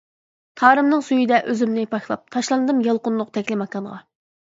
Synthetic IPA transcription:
t̪ʰɑːɾɨmnɨŋsujid̪ɛʔøzymnɪpʰɑʃlˠɑ̰p̚t̪ʰɑʃlˠɑnɨd̪ɨmjɑlˠqʊnlˠʊq̚t̪ʰɛkʲlɪmɑkɑnʁɑ̰

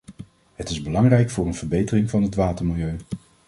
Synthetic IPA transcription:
ɦətɪzbəlɑŋrɛjkfʊːɹənvəɹbejtərɪŋvɑnɦətʋaːtəɹmɪlˠjøɥ

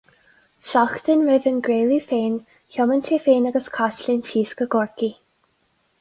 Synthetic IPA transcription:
ʃaxt̪ənɹɪvənɡɾeːlifeːn | çɔmənt͡ʃeːfeːnaɡəskʰaʃlint͡ʃʰiːskəɡɔɹki

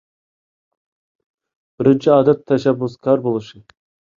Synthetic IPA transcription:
b̥ɪɾɪnt͡ʃʰiɑːd̪ɛt̪ʰːɛʃɛbːʊskʲʰɑɾbolˠɨʃɨ

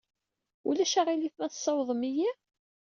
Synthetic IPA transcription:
ṵlæʃaʁiliθmæθsˤːɑwðˤəmiji

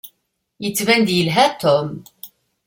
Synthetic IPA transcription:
jət͡sːvænd̪jəlɦæt̪ʰɔm

